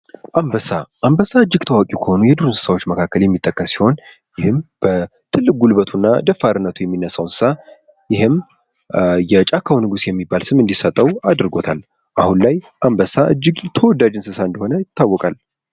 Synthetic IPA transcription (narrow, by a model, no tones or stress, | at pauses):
ʔambəsaʔambəsaɨd͡ʒːɪɡt̪ʰəwakʼikʰəho̞nujɛd̪ɨɾunsɨ̥sawo̞t͡ʃːməkʰakːəljɛmːit̪ʼːəkʼːəssiho̞n | jɪhɨmb̥ət̪ʰɨlːɨk̚ɡulbət̪ʰunːa̰d̪əfaɾɨnːət̪ʰujɛmːinːəsːawnsɨ̥sa | jɪhɨm | jɛt͡ʃʼakʰːawnɨɡusjɛmːibːalsɨmɨnd̪isət̪ʼːəwad̪ɾɨɡo̞t̪ʰal | ʔahunlajʔambəsaʔɨd͡ʒːɪɡt̪ʰəwɔd̪ːad͡ʒɨnsɨsaɨnd̪əho̞nəjɪt̪ːawːɔkʼal